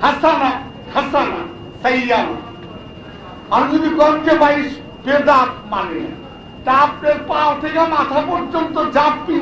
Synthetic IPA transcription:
hasana | hasana | sɐjːal | aɾd͡ʒod̪ikɔnd͡ʑebaiʃ | ped̪aɾmanḛ | ʈap̚ɖeɾpalt̪ʰekemat̪ʰapoɾd͡ʑont̪od͡ʑapːi

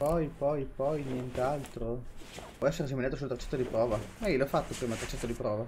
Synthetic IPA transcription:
pɔjpɔjpɔjnjent̪alt̪ɾopwɔɛsːeɾs̬iminjaːt̪os̬ult̪ɾat͡ʃːɛ̥t̪ːod̪ipɾɔːvamailɔfat̪ːopɾiːmalt̪ɾat͡ʃːɛt̪ːod̪ipɾɔːva

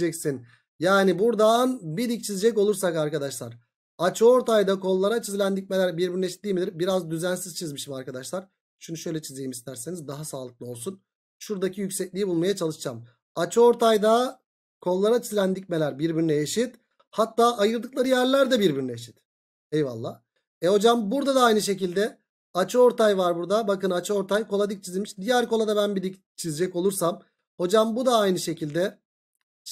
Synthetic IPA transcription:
d͡ʒɛcsin | jaːnibuɾd̪anbid̪ic̚t͡ʃʰizid͡ʒɛco̞lˠuɾsakaɾkad̪aʃlˠaɾ̥ | at͡ʃʰoɾt̪ʰajd̪akʰo̞lˠːaɾat͡ʃʰizʲlʲænd̪ic̚ʲmelʲæɾbiɾbiyɾyneʃi̥t̪d̪iːmid̪iɾbiɾazd̪yzænsiz̥t͡ʃʰizmiʃimaɾkad̪aʃlˠaɾ̥ | ʃunʃø̞jlʲɛt͡ʃʰizejimist̪ʰæɾse̞nizd̪aɦasaːlˠɯklˠɯo̞lˠsun | ʃuɾd̪acʰijycsɛclʲijibulˠmajat͡ʃʰalˠɯʃd͡ʒam | at͡ʃoɾt̪ʰajd̪a | kʰo̞lˠːaɾat͡ʃʰizʲlʲænd̪icʲme̞lʲæɾbiɾbyɾynɛeʃit̪ | hat̪ːaːʔajɯɾd̪ɯklˠaɾɯjæɾlʲæɾd̪ɛbiɾbiɾnɛeeʃi̥t̪ | ejva̰lˠːaː | ɛho̞d͡ʒambuɾd̪ad̪aajnɯʃe̞cilʲd̪ɛ | at͡ʃʰɯo̞ɾt̪ʰajvaɾbuɾd̪abakɯnat͡ʃʰɯo̞ɾt̪ʰajkʰo̞lˠad̪ɯk̚t͡ʃʰizilʲmiʃd̪ijæɾko̞lˠad̪abænbilʲic | t͡ʃʰized͡ʒɛco̞lˠuɾsam | ho̞d͡ʒambud̪aajnɯʃe̞cilʲd̪ɛ

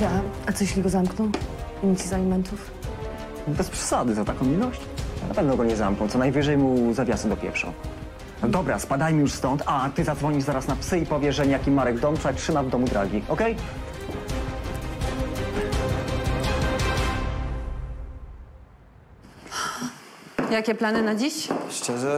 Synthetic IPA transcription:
ɛaat̪ɔjɛɕʲlʲiɡɔzamknɔ̃w̃iɲit̪sizalʲimɛnt̪uf | bɛspʂɛ̥sad̪ɘzat̪akɔ̃w̃mʲilɔɕt͡ɕnapɛvnɔɡɔɲɛzamknɔ̃w̃tsɔnajvɘʐɛjmuzavʲjasɛd̪ɔpʲjɛ̰fʂɔ̰̃w̃ | d̪ɔbɾa̰spad̪ajmʲijuʂst̪ɔnt̪ʰat̪ɘzad̪zvɔɲiʐzaɾasnapsɘipɔvʲjɛʐɛɲɛjakʲimaɾɛɡd̪ɔmt̪saktʂɘmavd̪ɔmud̪ɾaɡʲiɔkɛj | jakʲɛplanɘnad͡ʑiɕʂt͡ʂɛʐɛ

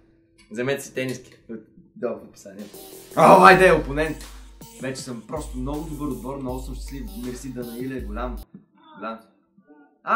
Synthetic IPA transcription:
zɛmɛt̪ɛsi̥t̪ɛniski̥ot̪ | d̪ɔət̪ʊpi̥saniɛovaid̪ɛʊponɛnt̪vɛt͡ʃɛ̥səmpɾɔst̪ʊmnɔɡʊd̪ʊbɤɾod̪̚bɔɾnɔɡʊsəmʃt̪ɛslimiɾsid̪ɐnɐilɛɡʊlʲam | ɡʊlʲam | a

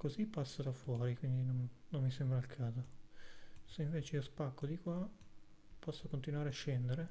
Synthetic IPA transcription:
kozipːasːod̪afwɔːɾikwind̪inonnomːisɛmbɾailkʰaːzo | seiɱveːt͡ʃeiospakːod̪ikwa | pɔsːokont̪inwaːɾeaʃːɛnd̪eɾe

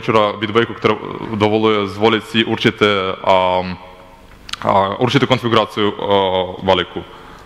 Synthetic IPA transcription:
t͡ʃuɾabid̪bɔjkɔkt̪ɾɛd̪ɔvɔlˠujɛzvɔlʲit̪ʲsiʔuɾt͡ʃit̪ɛ | uɾt͡ʃit̪ɛkonfiɡuɾat̪siju | valiku

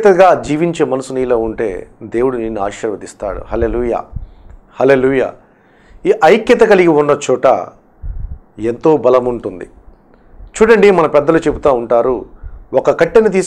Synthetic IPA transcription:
t̪ɐɡaːd͡ʒiːʋiɲt͡ʃe̞ːmɐnɐsunijloːuɳʈe̞̰ːd̪e̞ːwuɽuneːnːuaːʃɐɾʋɐt̪ist̪a̰ːɽṵhɐleːluːja̰ː | hɐle̞ːluːja̰ː | iʔɐjkjɐt̪ɐkɐliɡiunːɐt͡ʃɔːʈɐ̰ | ent̪o̞ːbɐlɐmuɳʈund̪ḭ | t͡ʃuːɽɐɳɖimɐnɐpɛd̪ːɐlut͡ʃebut̪aːuɳʈaːɾuɔkɐkɐʈːenit̪̬iːs

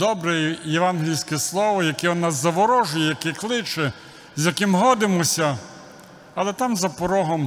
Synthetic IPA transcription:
d̪ɔbɾɛjeʋɑnɦʲɪilʲsʲkɪslˠɔʋɔjɐkɛɔnːaszɐʋɔɾɔʒʊjɛjɐkɛklˠɪt͡ʃɛ | zjɐkɪmɦɔd̪ɪmɔsʲɐ | ɐlˠɛt̪ɑmzɐpɔɾɔɦɔm

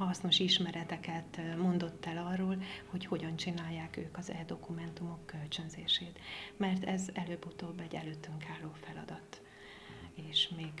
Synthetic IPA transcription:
hɒsno̞ʃiʃmɛɾɛt̪ɛkɛt̪mo̞nd̪o̞t̪ːɛlɒrːoːlho̞cho̞ɟɒnt͡ʃinaːjːaːkø̰ːkɒzɛːd̪o̞kumɛnt̪umo̞kːø̞lt͡ʃønzeːʃeːt̪mɛrt̪ɛzɛløːbːut̪oːbːɛɟːɛ̰løːt̪ːyŋkaːlːoːfɛlɒ̰d̪ɒt̪ | eːʃmeːɡ

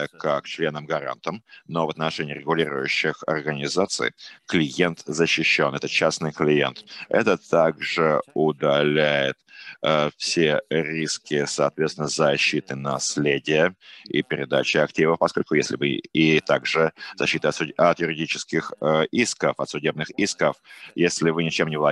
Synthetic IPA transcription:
kak̚t͡ɕlʲe̞nəmɡɐɾa̰nt̪əmnovət̪nɐʂɛnʲɪːɾʲɪɡʊlʲiɾʊjʊɕːɪxɐ̰rɡənʲɪzat̪sɨ̰jklʲɪjent̪zəɕːɪɕːo̞nɛt̪ət͡ɕasnɨjklʲɪjent̪ɛ̰t̪ət̪aɡʐɨʊd̪ɐlʲæjɪt̪ | fsʲeɾʲiskʲɪsɐːt̪vʲet̪sʲɪnəzɐɕːit̪ɨnɐsʲlʲedʲɪjəḭpʲɪɾʲɪd̪at͡ɕɪɐktʲivəfpɐsko̞lʲkʊjesʲlʲɪvɨit̪aɡʐɨzɐɕːit̪əɐt̪ɐt̪jʉɾʲɪdʲit͡ɕɪ̥skʲɪxiskəfɐt̪sʊdʲe̞b̚nɨxiskəfjesʲlʲɪvɨnʲɪt͡ɕemnʲɪvlˠɐ

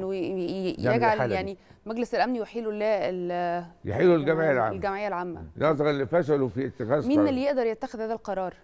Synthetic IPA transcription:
jæɡʕaljaʕni | mæɡleselʔæmnjeħiːlolæːeljḛħiːlolɡæmʕejalʕa̰ːlɡæmʕejːælʕamːæ̰nɑʔzˤɑɾlːifæʃælofiet̪ːɪxæːmiːnelːijeʔd̪ɑɾˤjet̪ːæxeðhæːðælqɑɾˤɑːɾˤ

